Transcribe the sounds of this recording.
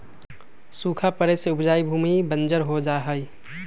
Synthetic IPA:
suːkʰapəɾeseʊpʰd͡ʒaːibʱuːmibə̃nd͡ʒəɾɦod͡ʒaːɦəi

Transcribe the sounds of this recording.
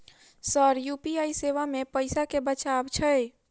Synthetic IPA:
səɾjupiajseʋamepəɪsakebət͡ʃabt͡ʃʰəj

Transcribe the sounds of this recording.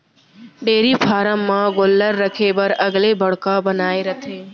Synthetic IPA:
ɖeːɾipʰaːɾəmːãɡolːəɾːəkʰebəɾəɡlebʱəɽkabənaːeɾət̪ʰeː

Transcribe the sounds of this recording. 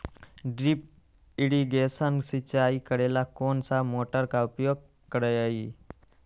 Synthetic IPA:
ɖɾip̚ | iɽiɡesənsit͡ɕaikəɽelakonsamoʈəɾkaupjoɡ̚ | kəɾəjai

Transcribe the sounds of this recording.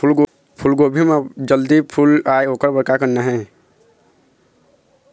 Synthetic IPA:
pʰulɡobʱimed͡ʒəld̪ipʰulaːjoːkəɾbəɾkakənnaɦɛ̃

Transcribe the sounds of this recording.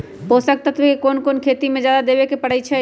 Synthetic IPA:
poːsək̚t̪ət̪ʰbekekoːnkoːnkʰeːt̪imẽd͡ʒjaːd̪ad̪eːbekepəɽ̤ət͡ʃʰɛ

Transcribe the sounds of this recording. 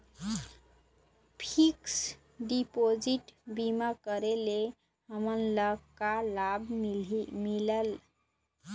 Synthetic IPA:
pʰiks | ɖipod͡ʒiʈbimakəɾele | ɦəmənləkalab | miləl

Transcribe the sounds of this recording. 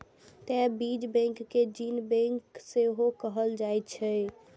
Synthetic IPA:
t̪ɛbid͡ʒbɛ̃ŋkːed͡ʒinbɛ̃ŋkseɦokəɦəld͡ʒajt̪t͡ʃʰɛ

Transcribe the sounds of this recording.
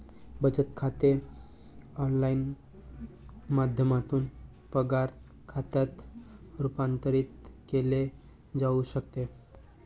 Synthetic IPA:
bət͡sət̪kʰat̪e | ɔnlain | mad̪ʱjəmat̪uːn | pəɡaɾ | kʰat̪at̪ɾupant̪əɾiːt̪kele | d͡zauɕək̚t̪e

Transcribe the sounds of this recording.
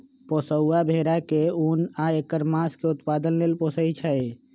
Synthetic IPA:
poːsəuːabʱeːɾakeuːnaekəɾmãːskeʊt̪paːd̪ənleːlpoːsəit͡ʃʰəe

